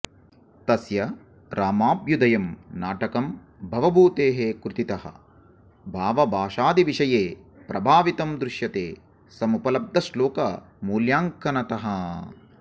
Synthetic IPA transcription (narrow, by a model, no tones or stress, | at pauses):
t̪ɐsjɐ | ɾaːmaːbjud̪ɐjɐmnaːʈɐkɐm | bʱɐʋɐbʱuːt̪eːɦekɾut̪it̪ɐɦɐ̰ | bʱaːʋɐbʱaːʂaːd̪iʋiʂɐjeː | pɾɐbʱaːʋit̪ɐmd̪ɾɪʂjɐt̪ḛː | sɐmupɐlɐb̚d̪ʱɐsloːkɐ | muːljaːŋkɐnɐt̪ɐɦɐ